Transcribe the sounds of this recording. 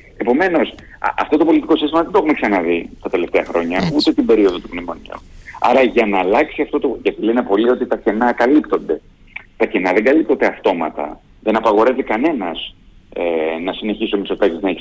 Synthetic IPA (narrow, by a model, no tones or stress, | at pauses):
e̞po̞me̞no̞s | ɐ̰ft̪o̞t̪o̞po̞lit̪i̥ko̞sist̪imɐðed̪oexume̞ksɐnɐðit̪ɐt̪e̞le̞ft̪e̞ɐxɾo̞ɲɐut̪e̞t̪ibe̞ɾio̞ðo̞t̪upnimo̞nḭṵɐ̰ɾɐʝɐnɐːlɐksiɐft̪o̞t̪o̞ʝɐt̪ilenepo̞lio̞t̪it̪ɐce̞nɐkɐlipt̪o̞nd̪e̞ | t̪ɐce̞nɐðe̞ŋɡɐlipt̪od̪eɐft̪o̞mɐ̰t̪ɐ̰ | ðe̞nɐpɐɣo̞ɾevikɐne̞nɐz | enɐsine̞çisomisot̪ɐkeznɐeçi